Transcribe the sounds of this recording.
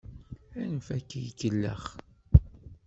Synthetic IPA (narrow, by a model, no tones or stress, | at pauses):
ænəfækːijkːəlːə̰χ